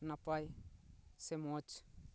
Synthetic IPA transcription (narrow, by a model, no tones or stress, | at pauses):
napaj | semot͡ʃ